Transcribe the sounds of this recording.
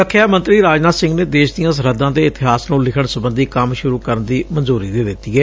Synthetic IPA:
əkʰːjaːmə̃nt̪ɾiːɾaːd͡ʒnaːsɪ̃ŋɡneːd̪eːʃd̪ɪjãːs̬əɾəd̪ãːd̪eːɪt̪ɪɦaːsnũːlɪkʰəɳsəbənd̪iːkəmʃʊɾuːkəɾənd̪iːmənzuːɾiːd̪eːd̪ɪt̪ːiːɛː

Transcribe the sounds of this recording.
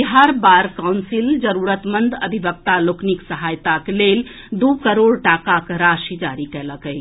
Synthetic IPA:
iɦaɾbaɾkaʊnsild͡ʒəɾuɾət̪mənd̪ʱəd̪ʱibək̚t̪alokniksəɦajt̪aklel | d̪ukəɾoɽʈakakɾaʃid͡ʒaɾikɛləkəj

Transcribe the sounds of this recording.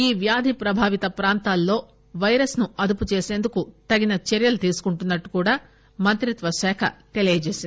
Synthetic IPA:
iːʋjaːd̪ʱipɾɐbʱaːʋit̪ɐpɾaːnt̪aːlːo̞ː | ʋɐjɾɐsnuɐd̪uput͡ʃe̞ːse̞ːnd̪ukut̪ɐɡinɐt͡ʃeɾjɐlut̪iːsu̥kuɳʈunːɐʈːu̥kuːɽaː | mɐnt̪ɾit̪ʋɐʃɛːkʰɐ̰t̪e̞lijɐt͡ʃeːsind̪

